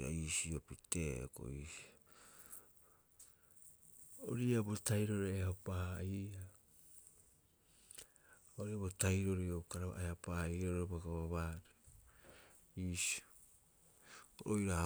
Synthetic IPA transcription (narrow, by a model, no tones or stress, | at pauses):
a̰iːsiopitḛko̞̰iːsi | o̰ɾiabotajɾo̞ɾeehapaiːa | oɾiabotajɾo̞ɾiokaɾaβa̰ʔehapaiɾoɾoebaɡaβaβaɾe | iːsi̥ | oojɾa